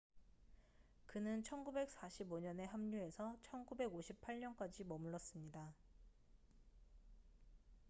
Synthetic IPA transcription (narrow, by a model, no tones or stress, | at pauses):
kɯnɯnt͡ɕʰʌnɡube̞k̚s͈aɕʰiboɲʌne̞ɦamɲue̞sʰʌt͡ɕʰʌnɡube̞ɡoɕʰipʰaɭɲʌnk͈ad͡ʑimʌmɯɭːʌs͈ɯmɲida